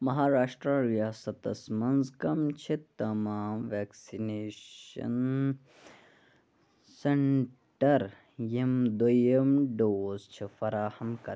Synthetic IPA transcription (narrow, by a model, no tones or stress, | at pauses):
mɐɦaːɾaːʂʈɾaɾijaːsɐt̪ɐsmɐnzkɐmt͡ʃʰit̪ɐmaːmʋeːksineːɐ̰n | seɳʈɐɾ | jemd̪oemɖoːzt͡ʃʰifɐɾaːhɐmkɐ